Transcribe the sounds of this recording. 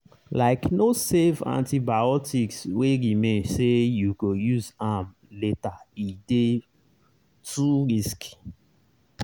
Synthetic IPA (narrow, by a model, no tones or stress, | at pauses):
laɪknosevã̰ntibaɔtʰiksweɹimẽnsejuɡojuzam | letaide | tʰuɹisk